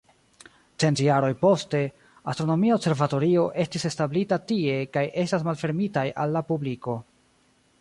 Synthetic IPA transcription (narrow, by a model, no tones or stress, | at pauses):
t͡ʃe̞ntjaɾo̞jpo̞ste̞ | astɾo̞no̞miaobse̞ɾvato̞ɾio̞ʔe̞stise̞stablitatie̞kajʔe̞stasmalfe̞ɾmitaja̰lːapubliko̞